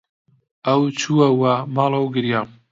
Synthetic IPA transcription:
ɐwt͡ʃʰuɐwɐmɑːlˠɐwɡɨɾjam

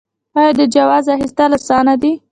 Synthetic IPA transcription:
ɑjɑd̪əd͡ʒawɑzaxist̪alasɑnad̪i

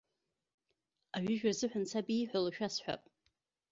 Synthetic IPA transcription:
aɥʏʒᶣarzɨħʷᶣant͡sʰabiːħʷᶣalaʃᶣasħʷᶣa̰pʼ

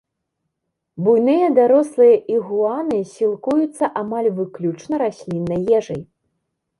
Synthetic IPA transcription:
bujnɨjɐd̪aɾɔslˠɨjɐʔiɣuanɨsʲilˠkujut̪sːɐʔamalʲvɨklʲut͡ʂnɐɾasʲlʲinːɐjɛʐɐj

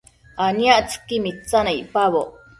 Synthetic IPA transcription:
anjaʔt͡sʰɨ̥kimit͡sanaiʔpaβoʔ

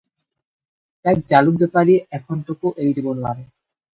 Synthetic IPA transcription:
ɛk̚d͡ʑalubɛpaɾieɛkʰonʈ̪okoʔejdibonoa̰ɾe

